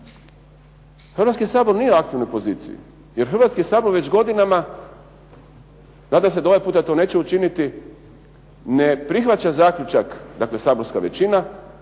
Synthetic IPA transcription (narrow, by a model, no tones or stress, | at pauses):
xr̩ʋat̪skisaːbo̞ɾnijeakt̪iʋno̞jpo̞ziːt̪sḭjḭ | je̞ɾxrɾʋat̪skisaːbo̞ɾʋe̞d͡ʑɡo̞d̪inama | naːd̪amse̞d̪ao̞ʋajpuːt̪at̪o̞ne̞ːt͡ɕeut͡ʃinit̪i | ne̞pɾixʋat͡ɕazaːkʎut͡ʃakd̪akle̞saːbo̞ɾskaʋet͡ɕina